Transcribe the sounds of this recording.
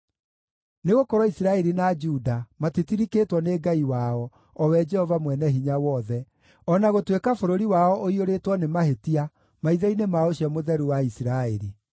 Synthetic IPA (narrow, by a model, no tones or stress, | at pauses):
neɣokɔɾɔisiɾaɛɾinad͡ʒudamatitiɾikeːtwɔneːɡaiwaɔ | ɔwɛd͡ʒɛhɔvamwɛnɛɦiɲawɔðɛ | ɔnaɣotwekafoɾoɾiwaɔʔoioɾetwɔnemaɦetia | maiðɛinemaoɕiɔmoðɛɾuwaisiɾaeɾi